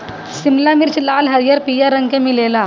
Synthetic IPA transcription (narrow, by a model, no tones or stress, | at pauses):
simlamiɾt͡ɕilalɦəɾijəɾpijaɾəŋkemilela